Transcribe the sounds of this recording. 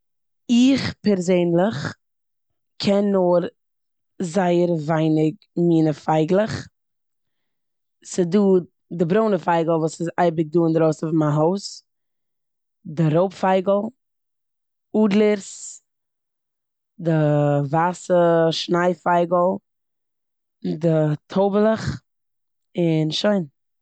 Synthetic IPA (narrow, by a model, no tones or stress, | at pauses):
ɪχpɛɾzeɪnlˠɪχ | kʰɛnːoɾ | zaɪəɾvaɪnɪk | miːnəfaɪɡlˠəχ | sɪduː | dɪbɾoʊnəfaɪɡl̩ˠvuːsɪzaɪbɪk̚duːɪndəɾoʊsɔfmaɦoʊs | dɪɾoʊpfaɪɡl̩ˠ | uːdlˠəɾs | dɪvasəʃnaɪfaɪɡəl̩ˠ | dɪtʰoʊbəlˠəχ | ɪnʃoɪn